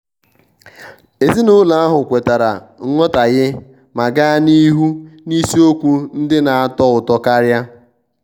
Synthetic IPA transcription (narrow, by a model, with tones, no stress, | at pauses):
e˨zi˦nʊ˦la˨a˦ɦʊ˨kʷe˨ta˨ɾa̰˨ | ŋ̩˦ŋʷɔ˦ta˨ɣɪ˦ | ma˨ɡa˦ni˦ɦu˦ni˦si˦o˦kʷu˦n̩˦dɪ˦na˨a˦˨tɔ˦ʊ˨tɔ˦ka˦ɾja˦